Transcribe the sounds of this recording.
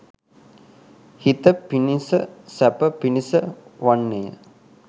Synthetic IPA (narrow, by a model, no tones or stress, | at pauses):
hit̪əpinisəsæpəpinisəʋanːejə̰